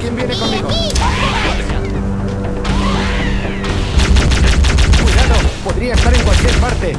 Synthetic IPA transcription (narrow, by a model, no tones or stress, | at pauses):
kjembjenekonmiɣo | i | kwiðaðopoðɾiaest̪aɾe̞ŋkwalkjeɾpaɾt̪e̞